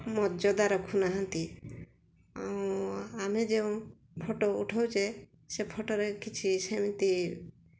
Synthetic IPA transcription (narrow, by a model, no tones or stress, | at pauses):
mɔd͡ʒɔd̪aɾɔkʰunaɦɔnt̪i | aũamed͡ʒeũ | pʰoʈouʈʰawt͡ʃʰe | sepʰoʈoɾekit͡ʃʰisemit̪i